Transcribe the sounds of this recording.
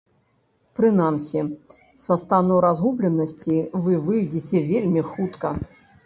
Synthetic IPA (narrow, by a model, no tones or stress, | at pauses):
pɾɨnamsʲi | sɐst̪anuɾazɣublʲɛnɐsʲt͡sʲivɨvɨjd͡zʲit͡sʲɛvʲelʲmʲixut̪kɐ